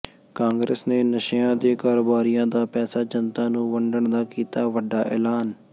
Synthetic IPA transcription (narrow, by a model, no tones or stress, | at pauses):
kãːŋɡɾeːsneːnəʃãːd̪eːkaːɾoːbaːɾijãːd̪aːpɛːsaːd͡ʒənt̪ãːnũːʋəɳɖəɳd̪aːkiːt̪aːʋəɖːaːʔɛ̰ːlaːn